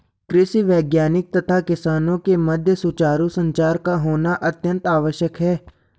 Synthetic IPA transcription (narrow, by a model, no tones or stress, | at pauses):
kɾɪʃiʋɛːɡjaːnɪk̚t̪ɐt̪ʰakɪsaːnõkemɐd̪ʱjəsut͡ʃaːɾusə̃ɲt͡ʃaːɾkaɦoːnaʔɐt̪jə̃nt̪aːʋəʃjəkɦɛː